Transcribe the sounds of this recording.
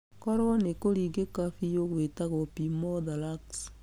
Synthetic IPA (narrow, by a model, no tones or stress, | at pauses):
kɔɾwɔnekoɾiɡekafijoɡwetaɣopimɔdalaks